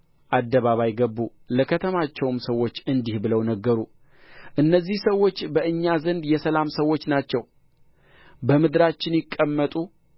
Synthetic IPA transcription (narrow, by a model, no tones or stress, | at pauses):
ʔad̪ːəβaβajɡəbːu | ləkʰət̪ʰəmat͡ʃːɛwmsəwːo̞t͡ʃːɨnd̪ihbɨləwnəɡːəɾu | ʔɨnːəzːihsəwːo̞t͡ʃːbəʔɨɲːazənd̪jɛsəlamsəwːo̞t͡ʃːnat͡ʃːɛw | bəmɨd̪ɾat͡ʃːɪnjɪkʼːəmːət̪ʼu